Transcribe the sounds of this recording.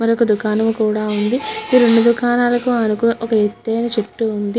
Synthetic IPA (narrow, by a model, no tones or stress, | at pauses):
mɐɾiokɐd̪ukaːnɐmkuːɽaːund̪iiːɾe̞ɳɖud̪ukaːnaːlɐkuɐnukunɐʔɔkɐet̪ːɐjnɐt͡ʃeʈːuund̪i